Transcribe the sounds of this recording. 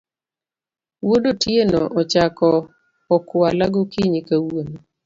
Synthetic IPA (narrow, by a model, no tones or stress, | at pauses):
wodotjenɔʔɔt͡ʃakɔː | kwalaɡokiɲikawono